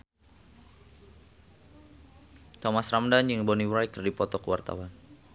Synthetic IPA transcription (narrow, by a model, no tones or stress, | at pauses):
t̪ɔmasramdanjəŋbɔniwɾajkərdipɔt̪ɔkəwa̰rt̪a̰wan